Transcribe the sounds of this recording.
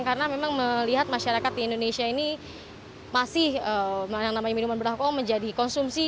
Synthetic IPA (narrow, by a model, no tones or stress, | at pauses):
ŋkaɾənamemaŋməliɦat̪̚maʃaɾakat̪̚diːndonesiaini | masɪhəjaŋnamaɲaminumanbəɾahkɔməɲd͡ʒadikɔnsumsi